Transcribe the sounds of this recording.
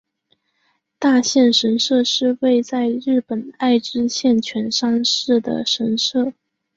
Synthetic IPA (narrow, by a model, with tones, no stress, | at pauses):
t̪a˥˧ɕjɛ˥˩nʂə˧˥nʂɤ˥˧ʂɻ̩˥˧we˥˧ɪt͡sa˥˧ɪɻɻ̩˥˩pə˨˩na˥˩ɪʈ͡ʂɻ̩˥ɕjɛ˥˩nt͡ɕʰɥɛ˧˥nʂɑ˥ŋʂɻ̩˥˩d̪ə̰˩ʂə˧˥nʂɤ˥˩